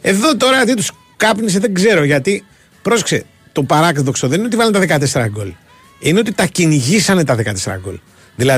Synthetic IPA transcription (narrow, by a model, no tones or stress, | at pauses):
e̞ðo̞t̪o̞ɾɐt̪it̪us | kɐpnis̬e̞ðe̞ɡze̞ɾo̞ʝɐt̪i | pɾo̞sekse̞̰ | t̪o̞pɐɾɐkt̪ðo̞ksoðe̞nineot̪ivɐlɐnt̪ɐðekɐt̪e̞se̞ɾɐɡo̞̰l | ine̞o̞t̪̬it̪ɐciniʝisɐne̞t̪ɐðe̞kɐt̪e̞seɾɐ̰ɡo̞̰l | ðilɐ